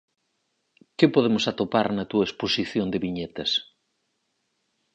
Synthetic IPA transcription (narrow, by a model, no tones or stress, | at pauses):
kɪpoðemʊsat̪opaɾnɐt̪uɐesposiθjond̪ɪβiɲet̪ɐs